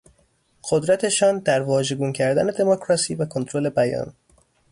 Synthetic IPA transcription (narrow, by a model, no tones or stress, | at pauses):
ɢ̥od̪ɾæt̪ʰe̞ʃɒːnd̪æɾvɒːʒe̞ɡuːncʰæɾd̪æne̞d̪e̞mokʰɾɒsiːvækʰo̞nt̪ʰɾole̞bæjɒ̰ːn